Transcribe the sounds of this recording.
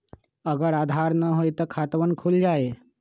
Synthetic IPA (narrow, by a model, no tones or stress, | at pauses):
əɡəɾad̪ʱaɾnəɦojt̪əkʰat̪ʋənkʰuld͡ʒae